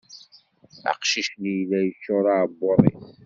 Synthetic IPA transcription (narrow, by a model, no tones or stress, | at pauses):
a̰qʃiʃnijlæjəʃːʊɾˤaʕbːoɾˤːḭθ